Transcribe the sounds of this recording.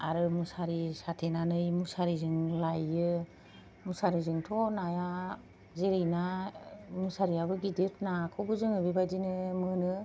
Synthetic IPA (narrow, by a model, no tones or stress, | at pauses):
aɾɯmusaɾisatʰenanɯjmusaɾizɯŋlajɯ | musaɾizɯŋtʰɔnaja | zeɾɯjna | musaɾiabɯɡidɯt̚nakʰɔbɯzɯŋɯbibajdinɯmɯnɯ